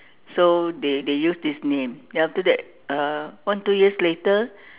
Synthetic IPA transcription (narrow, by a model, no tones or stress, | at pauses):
sodedejusdisnẽmdeaftədɛt̚ | awãntujiəsletə